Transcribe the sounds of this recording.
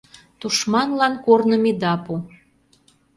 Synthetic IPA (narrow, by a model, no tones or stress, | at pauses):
t̪uʃmɑnlɑnkornə̆mid̪ɑpu